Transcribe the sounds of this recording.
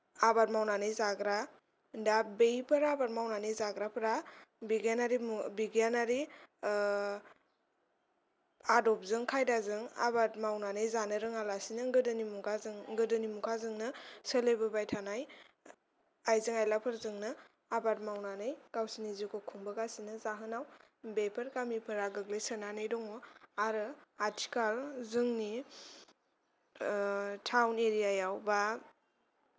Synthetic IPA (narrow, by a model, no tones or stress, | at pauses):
abat̚mawnanɯjzaɡɾa | dabejpʰɯɾaabaɾ̚mawnanɯjzaɡɾapʰɾabiɡanaɾibiɡjanaɾi | adɔp̚zɯŋkʰajdazɯŋa̰bat̚mawnanɯjzanɯɾɯŋalasinɯŋɡɯdɯnimukʰazŋɡɯdɯnimukʰazɯŋnɯsəlebɯbajtʰanaj | ajzɯŋajlapʰɯɾzɯŋnɯ | abat̚mawnanɯjɡ̥awsinizikʰokʰuŋbɯɡasinɯzaɦɯnaw | bepʰɯɾkamipʰɯɾaɡɯɡlɯjsənanɯjdɔŋɔaɾɯatʰi̥kalzɯŋni | tʰawneɾijajawba